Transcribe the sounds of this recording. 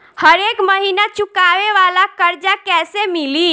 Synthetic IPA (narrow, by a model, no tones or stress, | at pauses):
həɾekməɦinat͡ʃukaʋeʋalakəɾd͡ʒakɛsemili